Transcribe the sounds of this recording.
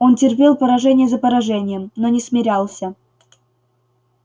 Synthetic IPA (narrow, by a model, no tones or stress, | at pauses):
o̞ntʲɪrpʲelˠpəɾɐʐɛnʲɪjəzəpəɾɐʐɛnʲɪjəmnonʲɪsmʲɪɾʲalˠsʲə